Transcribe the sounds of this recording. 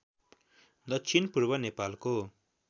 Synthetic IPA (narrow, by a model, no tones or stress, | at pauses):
d̪ʌt͡ʃʰinpurbʌnepalko